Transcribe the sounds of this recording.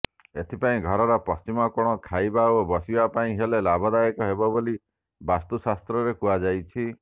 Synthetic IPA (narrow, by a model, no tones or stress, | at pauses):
et̪ʰipaĩɡʱɔɾɔɾɔpɔst͡ʃimɔkoɽ̃ɔkʰajbaobɔsibapaĩɦelelabʱɔd̪ajɔkɔɦebɔboli | bast̪usast̪ɾɔɾekuad͡ʒajt͡ʃʰi